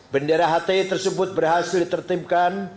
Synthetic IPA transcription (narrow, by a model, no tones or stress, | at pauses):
bəndeɾaɦat̪ɛt̪ərsəbʊt̪̚bərɦasɪldit̪ərt̪imkan